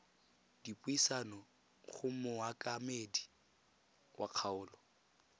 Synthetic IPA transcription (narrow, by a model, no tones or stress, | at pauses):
d̥ipʼuisanɔ | χʊmʊakʼamedi | wʔaq͡χʰaʊːlɔ